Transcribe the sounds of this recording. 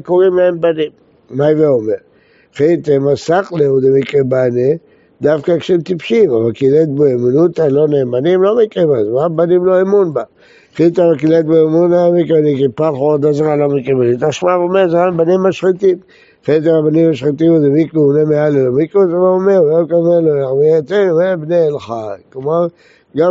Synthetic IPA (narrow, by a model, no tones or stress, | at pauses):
koʁimlaembanimː | ajveomeʁ | χet̪emasakleud̪emikʁebane | d̪afkakʃemt̪ipʃimavalkilet̪̚boemunut̪alonembanimlomikʁibazmabanimloemunba | χit̪avakilet̪̚boemunaamikenikipalχood̪azʁalomikʼʁibanit̪aʃmavomezmambanimaʃʁit̪im | χet̪aabanimaʃʁit̪imud̪emikʁeunemealelomikʁetemaomeujekʼemeloamiet̪emebneːlχajklomaʁ | ɡa